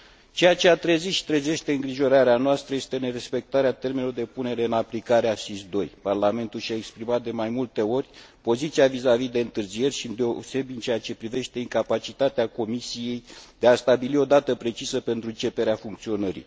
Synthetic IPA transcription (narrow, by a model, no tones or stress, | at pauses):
t͡ʃe̞jat͡ʃe̞at̪ɾeziʃi̥t̪ɾeze̞ʃt̪e̞ɨŋɡɾiʒo̞ɾaɾeanoast̪ɾəjest̪e̞ne̞ɾe̞spe̞k̚t̪aɾeat̪e̞rmenlord̪e̞pune̞ɾe̞ɨnaplikaɾeasisd̪o̞jparlame̞nt̪ulʃaekspɾimat̪̚d̪e̞majmult̪e̞o̞rʲpo̞zit̪sijavizavid̪e̞ɨnt̪ɨrzije̞rʲʃind̪e̞ose̞bʲɨnt͡ʃe̞jat͡ʃe̞pɾive̞ʃt̪e̞iŋkapat͡ʃit̪at̪eako̞misije̞jd̪east̪abilio̞d̪at̪əpɾe̞t͡ʃisəpe̞nt̪ɾuɨnt͡ʃe̞pe̞ɾeafuŋk̚t̪sio̞nəɾḭ